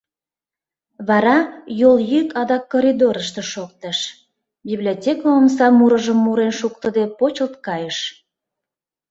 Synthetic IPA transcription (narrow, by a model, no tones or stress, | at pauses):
βɑɾɑjoljykɑd̪ɑkːoɾʲid̪oɾəʃt̪eʃok̚t̪əʃ | biblʲiotʲekoəmsɑmuɾəʒəmːuɾenʃukt̪əd̪epot͡ɕəlt̪̚kɑjəʃ